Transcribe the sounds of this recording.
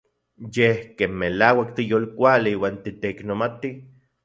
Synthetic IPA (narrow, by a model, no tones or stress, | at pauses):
jehkeːnmelawakt̪ijoːlkʷaliiwaːnt̪it̪eiknomat̪i